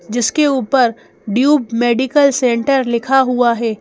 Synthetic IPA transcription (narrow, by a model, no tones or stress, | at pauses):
d͡ʒɪskeuːpəɾ | ɖjuːbmeːɖɪkəlsẽːɳʈəɾlɪkʰaɦuaɦɛː